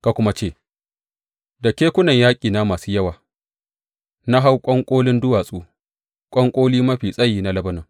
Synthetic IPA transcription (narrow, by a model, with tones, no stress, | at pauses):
ka˨kʷʊ˦ma˦t͡ʃeː˦˨ | da˨kʲeː˦kʷʊ˦nɐ˨ɲjaː˦kʲʼiː˨na˦maː˨suː˦jɐ˦waː˨ | na˦ɦa˦wkʷʼɔ˦ŋkʷʼoː˦lɪ˦ndʊ˦waː˨sʼuː˦ | kʷʼɔ˦ŋkʷʼoː˦liː˦mɐ˦ɸiː˨sʼɐ˦jːiː˨na˦lɐ˦bɐ˦nɐ˨ŋ